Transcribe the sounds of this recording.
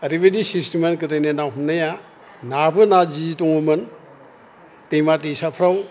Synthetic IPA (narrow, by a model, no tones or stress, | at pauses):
ɐɾibedisistimenk̬ɯtajnenawɦumnaja | nabɯnad͡ʒitɔŋumɯn | tejmat̬isapʰɾaw